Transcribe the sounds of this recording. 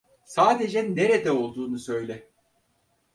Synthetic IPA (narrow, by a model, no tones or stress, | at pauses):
saːd̪e̞d͡ʒɛne̞ɾed̪ɛo̞lˠd̪uːnusø̞jlʲɛ